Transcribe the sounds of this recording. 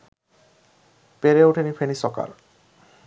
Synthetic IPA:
peɾeuʈʰenifʰenisɔka̰ɾ

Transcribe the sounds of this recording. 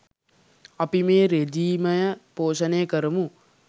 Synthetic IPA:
ɐpimeːɾed͡ʒiːməjəpoːʃɐneːəkəɾəmu

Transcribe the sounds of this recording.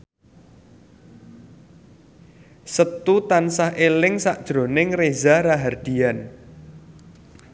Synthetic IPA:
sət̪ut̪ansaɦʔelɪŋsaʔd̥ʒ̥ɾo̤nɪŋrezaɾaɦard̪̥i̤an

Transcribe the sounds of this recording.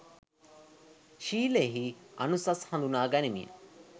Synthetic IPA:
ʃiːleɦiɐ̰nusɐshɐ̃nd̪unaːɡɐnimḭɐ̰

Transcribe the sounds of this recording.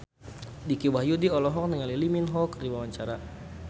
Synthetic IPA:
dikiwajudiɔlɔɦɔk̚niŋaliliminɦɔkərdiwawaɲt͡ʃaɾa

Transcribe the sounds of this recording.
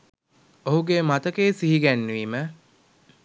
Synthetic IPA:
oɦuɡemat̪əkeːsiɦiɡænːʋiːmə

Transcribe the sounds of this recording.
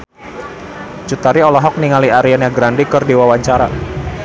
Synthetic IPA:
t͡ʃut̪aɾiɔlɔɦɔk̚niŋaliaɾianjaɡɾandikərdiwawaɲt͡ʃaɾa

